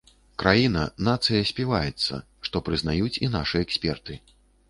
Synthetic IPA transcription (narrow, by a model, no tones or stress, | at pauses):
kɾʔajinɐ̰nat̪sɨjɐsʲpʲivajɛt̪sːɐ̰ | ʂt̪ɔpɾɨznajut͡sʲin̪aʂɨɛksʲpʲɛrt̪ɨ